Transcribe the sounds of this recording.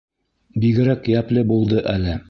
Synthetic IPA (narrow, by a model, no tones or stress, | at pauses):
biɡɘ̆ɾækjæplɘbulˠd̪ɤʔælɘ